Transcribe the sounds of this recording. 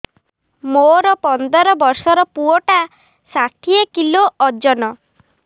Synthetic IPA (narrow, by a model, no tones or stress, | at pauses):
moɾɔpɔnd̪ɔɾɔbɔɾsɔɾɔpuɔʈa | saʈʰiekiloʔɔd͡ʒɔnɔ